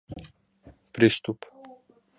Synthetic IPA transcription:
pɾʲist̪up

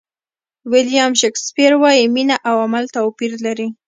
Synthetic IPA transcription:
wɪljɑmʃekspiɾwɑjiminaʔawamalt̪opiɾlaɾi

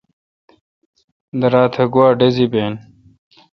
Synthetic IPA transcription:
d̪ɐɾaːt̪ʰɐɡuwaːɖezibeːn

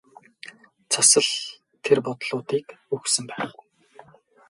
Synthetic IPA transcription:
t͡sʰasə̆ɮ | t̪ʰerpɔt̪ɮʊːt̪iːkɵxsɵ̆mpæːχ

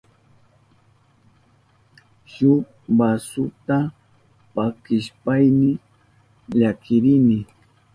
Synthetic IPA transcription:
ʃʊ | basʊt̪a | pakɪʃpajnɪ | ʎakʰɪɾɪnɪ

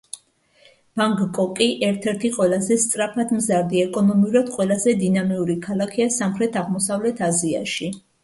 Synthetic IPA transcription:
b̥aŋkkʼɔkʼiʔɛɾt̪ʰɛɾt̪ʰiqʼwɛlˠazɛst̪sʼɾapʰad̪mzaɾd̪iɛkʼɔnɔmiuɾad̪̥qʼwɛlˠazɛd̪inamiuɾikʰalˠakʰiasamχɾɛt̪ʰaʁmɔsavlɛt̪ʰazia̰ʃi

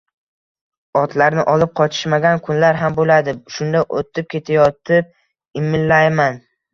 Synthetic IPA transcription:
ɒt̪ʰlaɾnɪʔɒlɪp̚qʰɒt͡ʃʰɪ̥ʃmaɡʲankʰʊnlaɾɦambolad̪ɪʃʊnd̪aʔo̰t̪ʰɪp̚kʲʰe̞t̪ʰajɒt̪ʰɪp̚ | ɪmːɪllːajman

